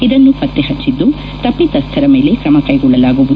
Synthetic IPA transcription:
id̪ɐnːupɐt̪ːeɦɐt͡ʃːid̪ːu | t̪ɐpːit̪ɐst̪ʰɐɾɐme̞ːle̞kɾɐmɐkɐjɡɔɭːɐlaːɡuʋu

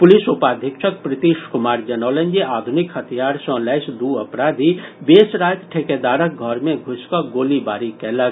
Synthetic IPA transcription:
pʊlisupaːd̪ʱɪkʃʰək̚pɾɪt̪iʃkʊmaːɾd͡ʒɐnəːlə̃nd͡ʒeʔaːd̪ʱʊnikhɐt̪ʰijaːɾsə̃lɛɪsd̪uːɐpɾaːd̪ʱibeːsɾaːjt̪ʈʰeked̪aːɾək̚ɡʱɔɾmẽɡʱʊskəɡoːlibaːɾikɛːlək

